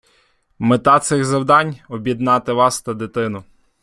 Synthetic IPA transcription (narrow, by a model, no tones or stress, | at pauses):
met̪ɑt̪sɪɣzɐwd̪ɑnʲɔbʲjid̪nɑt̪ɪʋɑst̪ɐd̪ɪt̪ɪnʊ